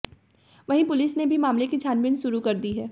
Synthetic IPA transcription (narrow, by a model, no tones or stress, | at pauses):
ʋɐɦĩpʊlɪsnebʱimaːmlekid͡ʒʱjaːnʋɪnʃʊɾukɐɾd̪iɦɛː